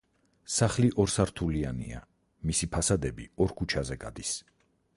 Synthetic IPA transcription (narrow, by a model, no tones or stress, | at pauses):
saχliʔɔɾsaɾt̪ʰulianḭa̰ | misipʰasad̪ɛbḭɔɾkʰut͡ʃʰazɛɡad̪is